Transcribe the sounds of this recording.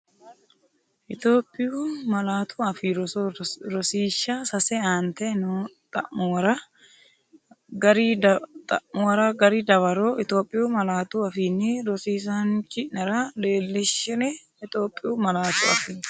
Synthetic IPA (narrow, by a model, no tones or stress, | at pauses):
ʔɪt̪o̞ːpʼːɪjuːmɐlaːt̪ʰuɐfiɾɾɔsiːʃːasɐsɛaːnt̪ɛnuːt̪ʼɐ̰ʔmʊwɐɾɐ | ɡɐɾidt̪ʼɐʔmʊwɐɾɐɡɐɾiːd̪ɐβɐɾoːɪt̪o̞ːpʼːɪjuːmɐlaːt̪uɐfiːnːɪɾɔsiːs̬ant͡ʃɪnɐɾɐleːlːɪʃːɪnɛ | ɪt̪o̞ːpʼːɪjuːmɐlaːt̪uɐ̰fiː